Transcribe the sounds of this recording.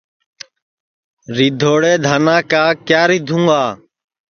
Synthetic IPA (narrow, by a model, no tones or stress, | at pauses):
ɾiːd̪ʱoːɽeːd̪ʱaːnãːkaːkjaːɾiːd̪ʱũŋɡaː